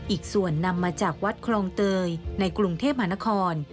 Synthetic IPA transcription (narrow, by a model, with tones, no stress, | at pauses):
ʔiː˨˩k̚su˨˩ənːa˧mːaː˧t͡ɕaː˨˩k̚wa˦˥t̪̚kʰlɔː˧ŋt̪ɤː˧jna˧jkɾu˧ŋt̪ʰe˥˩p̚ma˧˩˧na˦˥kʰɔː˧n